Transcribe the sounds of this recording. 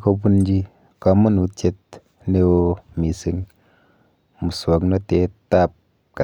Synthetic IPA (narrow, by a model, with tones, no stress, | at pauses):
ko˧pu˦nd͡ʒi˧ | ka˧mu˦nu˨t͡ʃe˧t̚ | ne˧wo˧mi˨si˧ŋ | mu˨swo˨˦knɔ˦te˨˦ta˦p̚ | ka˨